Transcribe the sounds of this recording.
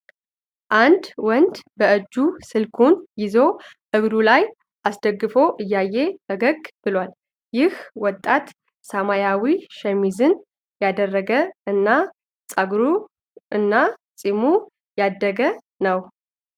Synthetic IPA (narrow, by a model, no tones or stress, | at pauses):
ʔand̪wɔnd̪bəɨd͡ʒːusɨlkʰunjɪzo̞ | ʔɨɡɾulaj | ʔasd̪əɡːɨfo̞ʔɨjːajːe̞bəɡəɡb̥ɨlwal | jɪhwɔt̪ʼːat̪ | samajawiʃɛmizɨn | jad̪ərːəɡəɨnːa | sʼaɡɾu | ɨnːasʼimu | jad̪ːəɡə | nəw